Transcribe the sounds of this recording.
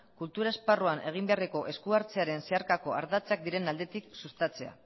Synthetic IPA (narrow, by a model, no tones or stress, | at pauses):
kult̪uɾae̞sparoane̞ɣ̞imbe̞areko̞ʔe̞skuaɾt͡se̞aɾe̞nse̞aɾkako̞aɾðat͡sak̚d̪iɾe̞nald̪e̞t̪iksust̪at͡se̞a̰